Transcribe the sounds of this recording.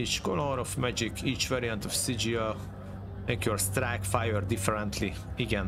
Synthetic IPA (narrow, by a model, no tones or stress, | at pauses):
it͡ʃkɔlɔɾɔfmæd͡ʒikʰiːt͡ʃvɛɾiãnt̪ɔfsid͡ʒiəl | ɛ̃ŋkʰjoɹst̪ɾækfajɛɾd̪ifɛɾɛ̃nt̪ʰli | iɡɛ̃n